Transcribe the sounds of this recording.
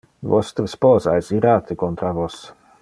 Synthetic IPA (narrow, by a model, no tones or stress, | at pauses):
vɔst̪ɾspoːzajsiɾaːt̪ɪkɔnt̪ɾavos